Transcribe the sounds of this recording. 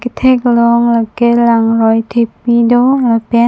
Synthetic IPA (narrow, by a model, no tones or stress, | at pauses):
ket̪ʰeklɔŋlakelaŋɾɔjt̪ʰep̚midolapɛ